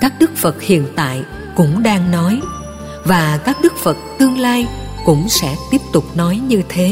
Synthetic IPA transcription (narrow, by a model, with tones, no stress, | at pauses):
kaː˦˥k̚ɗɨ˦˥k̚fə˨˩t̚hḭ˧˨ənt̪a̰ː˧˨j | kʊ̰˧˥ŋ͡mɗaː˧ŋnɔ˨˦j | vaː˨˩kaː˦˥k̚ɗɨ˦˥k̚fə˨˩t̚t̪ɨ˧əŋlaː˧j | kʊ̰˧˥ŋ͡msɛ̰˧˥t̪i˦˥əp̚t̪ʊ˨˩k͡p̚nɔ˨˦jɲɨ˧t̪ʰe˨˦